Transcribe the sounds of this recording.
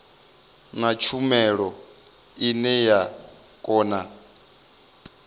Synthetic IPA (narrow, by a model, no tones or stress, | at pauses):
nat͡ʃʰumɛɺɔ | inɛja | kʼɔːna